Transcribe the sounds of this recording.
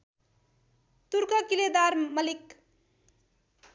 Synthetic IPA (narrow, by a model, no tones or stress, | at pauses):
t̪uɾkʌkiled̪aɾmʌlik